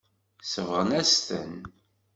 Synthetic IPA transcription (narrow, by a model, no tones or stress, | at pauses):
səvʁənæst̪ə̰n